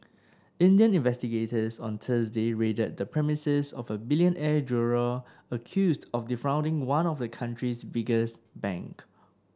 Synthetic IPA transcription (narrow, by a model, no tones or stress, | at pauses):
ɪ̃ndiə̃nĩnvɛstiɡetəsɔ̰̃nt̪ʰəs̬deɹedət̚dəpʰɹɛmisəsɔvəbiljə̃nʔɛd͡ʒuɹə | əkʰjusdɔfdifɹãʊ̃ndɪ̃ŋwãnɔfdəkʰãntʰɹisbɪɡəsbɛ̰̃ŋk